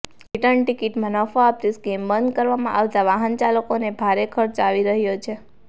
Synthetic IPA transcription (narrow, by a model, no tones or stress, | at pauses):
iʈəɳʈikiʈmənɔfaap̚ɾisɡembənd̪kəɾʋamãʔaʋt̪aʋaɦənt͡ʃaləkonebʱaɾekʰəɾt͡ʃaʋiɾəɦjot͡ʃʰe